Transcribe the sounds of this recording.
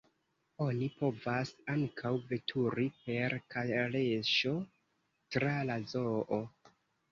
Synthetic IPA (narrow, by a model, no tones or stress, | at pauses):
o̞nipo̞vasaŋkʰawve̞tʰuɾipe̞ɾkʰaleʃo̞ | tɾalazo̞ʔo